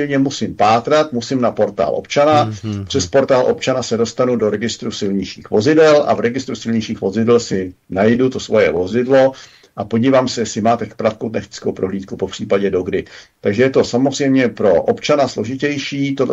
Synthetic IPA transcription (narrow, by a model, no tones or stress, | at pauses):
jɲɛmusɪmpaːt̪ɾat̪musɪmnapo̞ɾt̪a̰ːlʔo̞̰pt͡ʃanapr̥ɛspo̞ɾt̪aːlʔop̚t͡ʃanasɛdo̞st̪anudo̞ɾɛɡɪst̪ɾusɪlɲɪʃḭːxvo̞zɪdɛlʔa̰vɾɛɡɪst̪ɾusɪlɲɪʃiːxvo̞zɪdɛlsɪnajdut̪o̞svo̞jɛ̰vo̞zɪdlo̞ | ʔapo̞ɟiːvaːmsɛjɛsɪmaːt̪ɛkpɾat̪kowt̪naxt̪ɪ̥t͡skowpɾoɦliːt̪kupopr̥iːpaɟɛdo̞ɡdɪt̪aɡʒɛjɛt̪o̞samorɛjmɲɛpɾo̞ʔopt͡ʃanaslo̞ʒɪcɛjʃiːt̪o